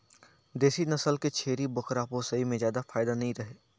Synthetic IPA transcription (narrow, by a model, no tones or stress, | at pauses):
d̪eːsinɐsəlket͡ʃʰeːɾibʊkɾaːposəimẽzjaːd̪afaːɪd̪anɐɦĩɾɐɦeː